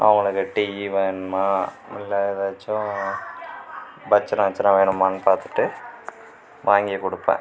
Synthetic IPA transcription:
ʔɐ̰ʋʊŋɡɐɭɯkːɯʈiːʋiʋenmaː | mɪlːaːjeðat͡ʃːʊ̃ | bɐt͡ʃːɐɾãːɐt͡ʃːɐɾãʋeːɳɯmaːnpaːɾt̪ɯ̥ʈːɯ | ʋaːŋɡɪjɐkɔɽɯpːḛ̃ː

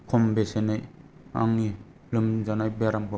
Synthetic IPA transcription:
kʰɔmbesenaja̰ŋni | lɯmzanajbeaɾambʰɯ

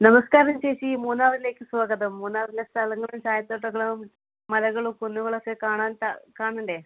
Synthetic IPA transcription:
nɐmɐskaːɾɐmt͡ɕeːɕimuːnːaːrile̞ːkːɨswaːɡɐðɐmːuːnːaːrilɐst̪ʰɐlɐŋːɐɭumt͡ɕaːjɐt̪ːoːʈ̬ːɐɣɐɭum | mɐlɐɣɐɭukonːuɣɐɭɐkːekaːɳaːnt̪akaːɳuɳɖe

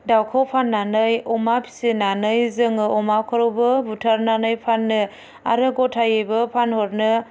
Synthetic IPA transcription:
dawkʰɔwpʰanːanɯjɔmapʰi̥sinanɯjzɯŋɯɔmawkʰɔɾɯwbɯbutʰaɾnanɯjpʰanːɯ | a̰ɾɯɡɔtʰajɯbɯpʰanhɔɾnɯ

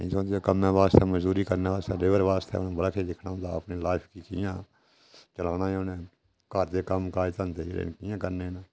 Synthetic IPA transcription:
sõːd̪eokəmːẽːʋaːst̪eːməd͡ʒd̪uːɾiːkəɾneːʋaːst̪eːleːʋəɾʋaːst̪ḛʊnãːbəɽaːkʰeːd̪ɪkʰnãːʊ̃nd̪a̰ːə̰pneːlaːɪpʰkiːkɪ̰jãː | t͡ʃəlaːnaːnẽː | kaɾd̪eːkəmkaːiːt̪ənt̪eːḛɾḛnkɪjãːkəɾneːnãː

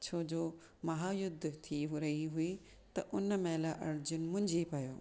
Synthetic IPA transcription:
t͡ɕʰoːd͡ʑoː | mɐɦaːjʊd̪ʱːt̪ʰiɦʊɾɐɦiɦui | t̪ɐʔʊnəmeːlaʔɐɾd͡ʑʊnmʊ̃ɦɪ̃ɲd͡ʑipɐjo̰ː

